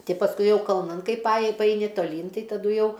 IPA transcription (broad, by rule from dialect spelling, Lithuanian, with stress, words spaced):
ˈtʲɪ pɐsˈkʊɪ ˈjɛʊ kɐlˠˈnɐn ˈkɐɪp pɐˈɑːjɪ pɐˈɐɪnʲɪ toːˈlʲiːn ˈtɐɪ tɐˈdʊ ˈjɛʊ